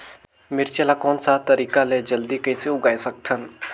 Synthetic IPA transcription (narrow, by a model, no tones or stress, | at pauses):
mɪɾt͡ʃɛlakɔːnsat̪ɐɾiːkaled͡ʒɐld̪ikɐjseʊɡaːesɐk̚t̪ʰən